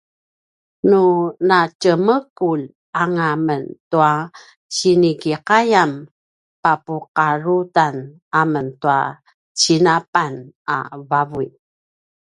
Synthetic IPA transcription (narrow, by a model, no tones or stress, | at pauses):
nunacəməkul | aŋaməntua | t͡ɕinikiqajam | papuqaɾutan | aməntua̰ | t͡ɕinapana̰vavui